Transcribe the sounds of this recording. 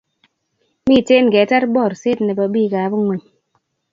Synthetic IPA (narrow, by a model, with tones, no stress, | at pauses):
miː˦˨te˦ŋ̩˨ɡɛ˨˦ta˦ɾbɔ˦˨ɾse˦tne˨bɔ˨biː˦˨kaː˨˦bu˦ŋwu˨ɲ